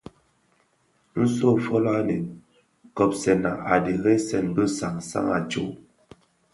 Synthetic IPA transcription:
n̩˦so˦˨fɔ˦la˦ne˨ | kɔ˨p̚sɛ˨na˨a˨de˨ɣɛ˦sɛ˨nbə˦sa˨ŋsa̰˦ŋa˨t͡ʃo˦˨

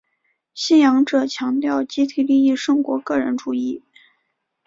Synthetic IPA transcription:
ɕi˥njɑ˧˥ŋʈ͡ʂɤ˨˩t͡ɕʰjɑ˧˥ŋt̪jɑ˥˩ʊt͡ɕi˥t̪ʰi˨˩li˥˧i˥˩ʂɤ˥ŋkwɔ̰˧˥kɤ˥˩ɻə̰˧˥nʈ͡ʂu˧˥i˥˩

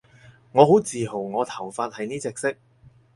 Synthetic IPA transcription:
ŋɔː˨˧ho˨˥wt͡siː˨ɦo˨˩wŋɔː˨˧t̪ʰɐ˨˩wfaː˧t̚hɐ˨jniː˥t͡sɛː˨˧k̚sɪ˥k̚

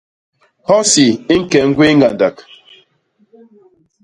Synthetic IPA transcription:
hɔ˦si˨i˦ŋ̩˦kɛ˨˦ŋ̩˦ɡwi˦ŋ˦ɡa˨nda˨k

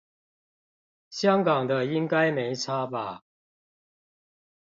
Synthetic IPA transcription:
ɕjɑ˥ŋkɑ˨˩ŋd̪ə˦i˦ŋka˦˥ɪme˧˦ɪt͡sʰa˦ba˨˩

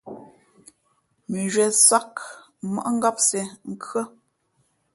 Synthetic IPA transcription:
mi˨ʒɥɛ˨sa˦kma̰˦˨ʔŋ̩˦ɡa˦p̚sɛ˨ŋ̩˦˨kɰə˦

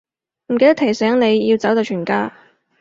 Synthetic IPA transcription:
m̩˨˩ke˧t̪t̪ʰe˨˩jsɛː˨˥ŋne˨˧jjiː˧wt͡sɐ˨˥wt̪o˨˧wt͡ʃʰyː˨˩nkaː˧

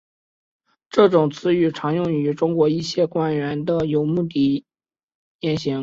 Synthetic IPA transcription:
ʈ͡ʂɤ˥˩ʈ͡ʂʊ˨˩ŋt͡sʰɹ̩˥y˨˩ʈ͡ʂʰɑ˧˥ŋjʊ˥˩ŋy˧˥ʈ͡ʂʊ˥ŋkwɔ˧˥i˥˧ɕjɛ˥˩kwa˥nɥɛ˧˥nd̪ə˧jo˨˩ʊmu˥˩t̪̬i˥˩ | jɛ˧˥nɕi˧˥ŋ

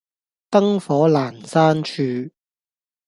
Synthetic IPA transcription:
t̪ɐ˥ŋfɔː˨˥laː˨˩nsaː˥nt͡ʃʰyː˨˧

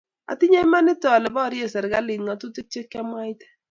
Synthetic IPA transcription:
a̰˨ti˦ɲe˦ma˦nɪ˦tɔ˨lɛ˨bɔ˦˨ɾje˦sɛ˨ɾɡa˦lɪ˨nŋa˨tu˦ti˦t͡ʃe˦kːa˦mwa˦i˦tɛ̥˦

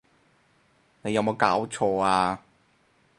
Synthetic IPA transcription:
ne˨˧jɐ˨˧wmo˨˧wkaː˨˥wt͡ʃʰɔː˧aː˧

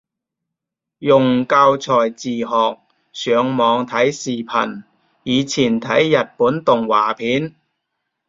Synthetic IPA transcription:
jʊ˨˩ŋkaː˧wt͡sʰɔː˨˩jt͡siː˨˩ɦɔː˨k̚ | sœː˨˧ŋmɔː˨˧ŋt̪ʰɐ˨˥jsiː˨˩pʰɐ̰˨˩n | jiː˨˧t͡sʰiː˨˩nt̪ʰɐ˨˥jːɐ˨t̚puː˨˥nt̪ʊ˨ŋwaː˨˩pʰiː˨˥n

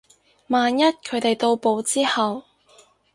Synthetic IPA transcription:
maː˨njɐ˥t̚kʰɵ˨˧ɥt̪e˨jt̪o˧wpo˨˧wt͡siː˥hɐ˨w

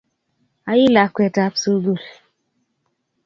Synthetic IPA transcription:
a˨˦ji˦la˨kwɛ˨ta˨˦psu˦ɡu˦˨l

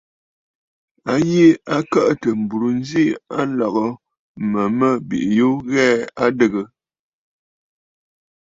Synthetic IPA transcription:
a˦je˦a˦kə˦ʔtə˨m̩˨bu˨ɾu˨n˦zi˦a˦lɔ˨ɣɔ˨ | mə˨mə˦˨bḭ˨ʔjo˦ɣɛː˦a˦də˦˨ɡə˨

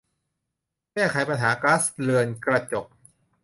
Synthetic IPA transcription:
kɛː˥˩kʰa˨˦jpa˧nɦaː˩˦klaː˦˥slɯ˧ənkɾa˧t͡ɕo˨˩k̚

